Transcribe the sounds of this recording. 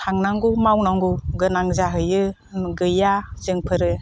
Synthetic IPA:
aŋnaŋɡumawnaŋɡuɡɯnaŋzaɦɯjɯ | ɡɯjazɯŋpʰɯɾɯ

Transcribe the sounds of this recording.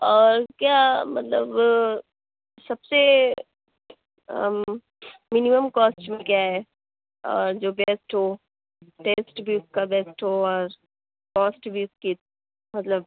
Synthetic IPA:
ɔːɾkjamɐt̪lə̰b | sɐbse | mɪniməmkɔːsʈmẽkjaɦɛː | ɔ̰ːɾd͡ʒoːbeːsʈɦoː | ʈeːsʈbʱiʊskabeːsʈɦoɔːɾ | kɔːsʈbʱiʊski | mɐt̪ləb̚

